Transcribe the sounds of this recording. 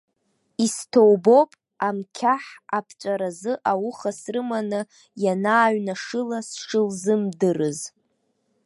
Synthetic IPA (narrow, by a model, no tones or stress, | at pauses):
istʰowbo̞pʼ | amkʲʰaħapʰt͡ʃʷʼaɾazɨʔawʊχasrɨmanɨ | janaːɥnaʂɨlasʂɨlzɨmdɨrɨz